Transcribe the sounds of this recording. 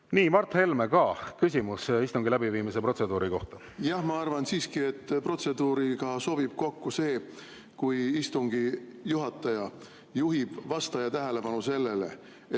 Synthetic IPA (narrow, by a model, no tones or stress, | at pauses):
niːmɑrt̪he̞lmekɑkys̬ʲimusist̪uŋɡilæbiviːmise̞pro̞t̪se̞d̪̥uːɾiko̞ht̪ɑ | jɑhmɑɑrvɑnsiːskie̞t̪ːpro̞t̪se̞d̪̥uːɾikɑso̞bib̥ko̞kːuse̞ː | kujist̪uŋɡijuɦɑt̪ːˑɑjɑ | juɦib̥vɑst̪ɑjɑt̪æɦele̞pɑnuse̞lːe̞le̞̰